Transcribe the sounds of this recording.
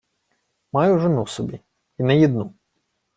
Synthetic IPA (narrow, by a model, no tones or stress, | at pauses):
mɑjʊʒɪnusɔbʲi | inɛjid̪nu